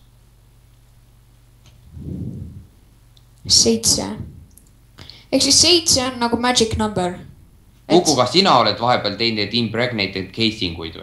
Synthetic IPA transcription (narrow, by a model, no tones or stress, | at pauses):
sejt̪sḛ | e̞ksisːe̞jt̪se̞onːɑɡumæd͡ʒiknɑmbeɾ | kukkːukɑsinɑo̞led̪̥vɑɦe̞b̥eɑlt̪e̞jned̪̥impreɡnejd̪et̪kʰe̞jsiŋɡ̥ujd̪̥̰